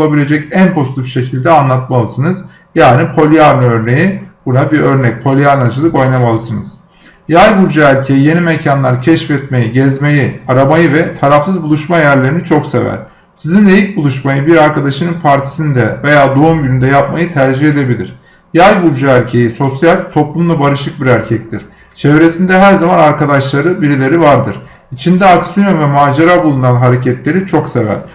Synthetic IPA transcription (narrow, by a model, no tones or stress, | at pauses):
lˠabilʲe̞d͡ʒɛcænpʰo̞zit̪ʰifʃe̞cʰilʲd̪ɛanlˠat̪malˠɯsɯnɯz | jaːnipʰo̞lʲijaɾnɯø̞ɾne̞jib̥unabiɾø̞ɾnɛc̚pʰo̞lʲijaɾnat͡ʃʰɯlˠɯko̞jnamalˠɯsɯnɯz̥ | jajbuɾd͡ʒaælʲcʰe̞jije̞nimecʰanlˠaɾcʰɛʃfɛt̪me̞jiɟɛzmejiaɾamajɯvɛt̪ʰaɾafsɯzbulˠuʃmajæɾlʲe̞ɾinit͡ʃʰo̞kse̞væ̰ɾ̥ | sizinejic̚bulˠuʃmajɯbiɾaɾkad̪aʃɯnɯnpʰaɾt̪ʰi̥sind̪ɛve̞jaːd̪oumɟynynd̪ɛjap̚majɯt̪ʰæɾd͡ʒihed̪e̞bilʲḭɾ̥ | jajbulʲd͡ʒaæɾcʰe̞jiso̞sjalʲt̪ʰo̞plˠumlˠabaɾɯʃɯk̚biɾæɾcʰɛc̚t̪ʰʲiɾ̥ | t͡ʃʰevɾe̞sind̪ɛɦæɾzamanaɾkad̪aʃlˠaɾɯbiɾilʲe̞ɾivaɾd̪ɯɾ̥ | it͡ʃʰind̪ɛaksyonvɛmaːd͡ʒaɾabulˠunanɦaɾe̞cʰɛt̪lʲe̞ɾit͡ʃʰo̞ksevæ̰ɾ̥